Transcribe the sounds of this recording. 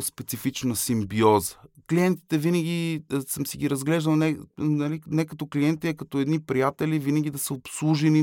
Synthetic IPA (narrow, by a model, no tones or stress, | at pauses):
spɛt̪sifit͡ʃnəsimbiɔzə̥kliɛnt̪i̥t̪ɛvinəɡʲisəmsiɡʲiɾɐzɡlɛʒd̪ɐlˠnɛnɐlinɛkɐt̪ɔkliɛnt̪iɛkɐt̪ɔɛd̪nipɾijat̪ɛlivinəɡʲid̪ɐsəopslˠuʒɛni